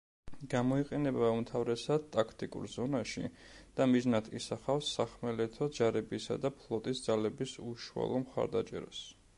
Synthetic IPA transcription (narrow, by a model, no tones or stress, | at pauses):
ɡ̥amɔiqʼɛnɛbaumt̪ʰavɾɛsad̪̚t̪ʼakʰt̪ʼikʼṵɾzɔnaʃḭ | d̪̥amiznat̪ʰisaχafsːaχmɛlɛt̪ʰɔd͡ʒaɾɛbisa̰d̪apʰlˠɔt̪ʼisd̪zalɛbisuʃua̰lˠɔmχa̰ɾd̪at͡ʃʼɛ̰ɾa̰s